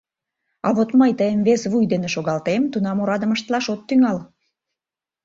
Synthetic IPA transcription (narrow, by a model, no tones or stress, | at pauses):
ɑ̰βot̪məjt̪əjəmβesβujd̪eneʃoɣɑlt̪emt̪unɑmoɾɑd̪ə̆məʃt̪lɑʃot̪ːyŋɑl